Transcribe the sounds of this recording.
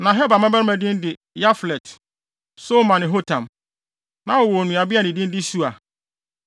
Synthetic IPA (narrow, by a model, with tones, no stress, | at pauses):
nã˨ɦɛ˦ba˨mɛ̃˦bɛ˦ɾmæ̃˨dɪ̃˦n˦dɪ˨ | ja˦flɛ˨t | so˦mã˨nɪ̃˨ɦo˦tʰã˨m | nã˨ɔ˨wɔ˨nũ˨a˨bi˦a˨nɪ̃˨dɪ̃˦n˦dɪ˦su˦a˨